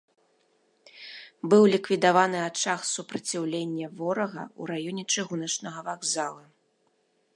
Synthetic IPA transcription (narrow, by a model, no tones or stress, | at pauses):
bɨwlʲikvʲid̪avanɨat͡ʂaxsupɾɐt͡sʲiwlʲenʲːɛvɔɾɐɣɐ̰ṵɾajɔnʲɛt͡ʂɨɣunɐt͡ʂnɐɣɐvaɡzalˠɐ